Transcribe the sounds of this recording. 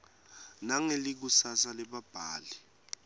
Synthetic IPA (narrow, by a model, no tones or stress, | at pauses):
naŋelik̬usasalɛɓab̥ʱaːli